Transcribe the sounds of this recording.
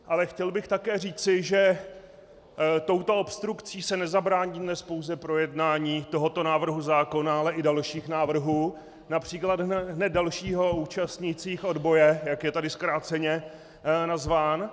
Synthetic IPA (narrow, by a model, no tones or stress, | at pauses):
ʔalɛxcɛlbɪxt̪akɛːriːt͡sɪʒɛ | t̪o̞wt̪o̞opst̪ɾukt͡siːsɛnɛzabɾaːɲidnɛspo̞wzɛpɾo̞jɛdnaːɲiːt̪o̞ɦo̞t̪o̞naːvr̩ɦuzaːko̞naalɛʔɪdalʃiːxnaːvr̩ɦuː | napr̝̥iːklad̪ɦɦnɛdalʃiːɦo̞uːt͡ʃast̪ɲɪt͡siːxʔo̞dbo̞jɛjakjɛt̪adɪskɾaːt͡sɛɲɛ | nazvaːn